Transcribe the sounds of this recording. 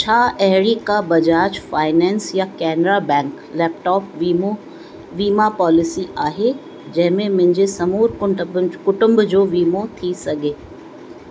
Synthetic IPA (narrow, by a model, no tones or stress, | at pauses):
t͡ɕʰaːʔɛɦɪɽikabɐd͡ʑaːt͡ɕfaːɪnɛ̃ːnsjakɛːnɾabɛ̃ːŋk | lɛːp̚ʈɔːpʋio | ʋiːmapɔːlɪsiʔaːɦe | d͡ʑɐ̃ɦɪ̃mẽmɐ̃ɦɪ̃ɲd͡ʑesɐmuːɾkʊkʊʈʊ̃mbd͡ʑoːʋiːmot̪ʰisɐɡʱeː